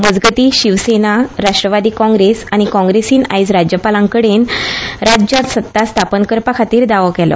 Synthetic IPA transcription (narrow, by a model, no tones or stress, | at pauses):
məd͡zɡət̪iːɕiʋsenaɾaʂʈɾəʋad̪iːkɔ̃ŋɡɾesañikɔ̃ŋɡɾesiːna̰jd͡zɾad͡ʑjəpalãŋkəɽenɾad͡ʑjat̪sət̪ːast̪ʰapənkəɾpakʰat̪iːɾd̪aʋəkɛlɔ̰